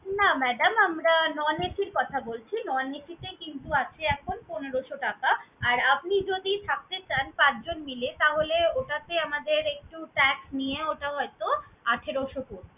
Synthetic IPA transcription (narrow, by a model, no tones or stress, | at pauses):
namɛɖamamɾanɔneʈʰiɾkɔt̪ʰabolt͡ɕʰinɔneʈʰit̪ekint̪uat͡ɕʰeɛkʰonponeɾoʃoʈakaaɾap̚nid͡ʑod̪it̪ʰak̚t̪et͡ɕanpãt͡ɕd͡ʑonmilet̪aɦoleoʈat̪eamad̪eɾek̚ʈuʈɛksnijeoʈaɦɔet̪oaʈʰeɾoʃokoɾ